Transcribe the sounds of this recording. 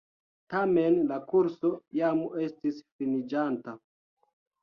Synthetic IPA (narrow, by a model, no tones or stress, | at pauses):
tame̞nlakuɾso̞jame̞stisfinid͡ʒanta